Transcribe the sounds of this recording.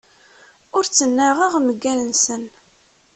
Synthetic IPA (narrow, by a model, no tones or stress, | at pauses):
ʊɾt͡sːənːæʁəʁməɡːælənsən